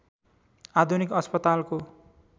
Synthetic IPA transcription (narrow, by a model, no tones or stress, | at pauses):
ad̪ʱunikʌspʌt̪alko